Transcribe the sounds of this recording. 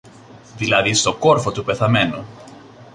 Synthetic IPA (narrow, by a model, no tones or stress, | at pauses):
ðilɐðist̪o̞ko̞ɾfo̞t̪upe̞θɐme̞nu